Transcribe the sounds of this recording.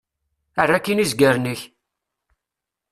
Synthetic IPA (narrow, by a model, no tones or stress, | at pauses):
ərːakːinizɡəɾnəç